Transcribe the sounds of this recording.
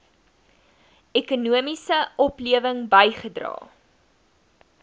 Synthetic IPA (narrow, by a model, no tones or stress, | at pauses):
ɛkunuəmisəɔpliəvəŋbɐjχədrɑ̰ː